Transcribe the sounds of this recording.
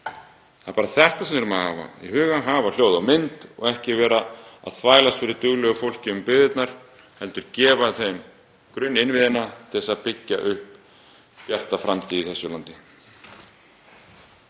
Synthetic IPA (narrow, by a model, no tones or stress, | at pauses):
θaðpaːɾaθɛht̪asɛmɛɾmaðhaːva̰ḭɦʏːɣanɦaːval̥joːwðawmɪnt̪ɔ̰ɣɛhcɪvɛːɾaa̰ðθvaːjlast̪fɪɾɪɾt̪ʏɣlœɣʏfowl̥cɪʏmpɪðɪt̪naɾ̥ | hɛlt̪ʏɾcɛːvaθejm | kɾʏnːɪnvɪðɪnːat̪ʰɪɛsaðpɪcːa̰ʔʏhp | pjar̥t̪afɾamt̪ɪiθɛsːʏlant̪ɪ